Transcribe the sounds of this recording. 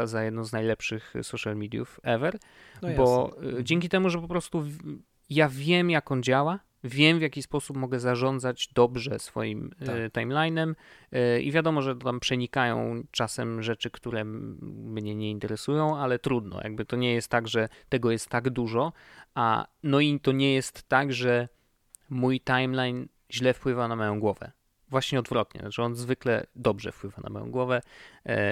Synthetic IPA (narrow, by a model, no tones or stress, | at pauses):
azajɛd̪nɔ̃w̃znajlɛpʂɘxsɔʃalmʲid̪ʲjṵfɛvɛɾ | bɔd͡ʑɛŋʲkʲit̪ɛmuʐɛpɔpɾɔst̪u | javʲjɛmjakɔnd͡ʑawa | vʲjɛmvʲjakʲispɔsupmɔɡɛzaʐɔnd̪zad͡ʑd̪ɔbʐɛsfɔ̰jimt̪ajmlajnɛm | ḭvʲjad̪ɔmɔʐɛt̪ɔt̪ampʂɛɲikajɔ̰̃w̃t͡ʂasɛmʐɛt͡ʂɘkt̪uɾɛmɲɛɲɛint̪ɛɾɛsujɔ̃w̃alɛt̪ɾud̪nɔ̰ja̰ɡ̚bɘt̪ɔɲɛjɛst̪ːaɡʐɛt̪ɛɡɔjɛst̪ːaɡd̪uʐɔ | a̰nɔit̪ɔɲɛjɛst̪ːaɡʐɛ | mujt̪ajmlajn | ʑlɛfpwɘvanamɔjɔ̃w̃ɡwɔvɛ̰ | vwaɕɲɛɔd̪vɾɔt̪ɲɛ̰nat͡ʂɛɔnzvɘklɛ̰d̪ɔbʐɛfpwɘvana̰mɔ̰jɔ̰̃w̃ɡwɔvɛ